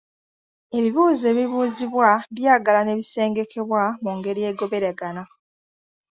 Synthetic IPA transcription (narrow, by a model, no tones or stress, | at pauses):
e̞βiβuːze̞ːβiβuːziβwaβjaːɡalane̞βise̞ːŋɡe̞kʰe̞βwamuŋɡe̞ɾije̞ːɡo̞βe̞ɾeɡana